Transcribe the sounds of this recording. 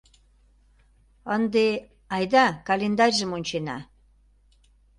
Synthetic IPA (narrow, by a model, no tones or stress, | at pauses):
ənd̪e | ɑjd̪ɑkɑlend̪ɑrʲʒə̆monʲt͡ɕenɑ̰